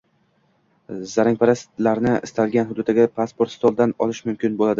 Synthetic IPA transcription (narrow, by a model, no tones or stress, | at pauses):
zaɾaŋʲpʰaɾast̪laɾnɪɪ̰st̪alɡʲanɦʊd̪ʊd̪aɡʲapʰaspo̞ɾt̪st̪olˠd̪anɒlˠɪʃmʊmkʲɪnbolad̪ɪ